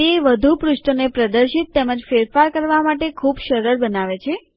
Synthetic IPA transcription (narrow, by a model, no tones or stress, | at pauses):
eʋəd̪ʱupɾʊʃʈonepɾəd̪əɾʃit̪ːeməd͡ʒfeɾfaɾkəɾʋamaʈekʰubʃəɾəɾbənaʋet͡ʃʰe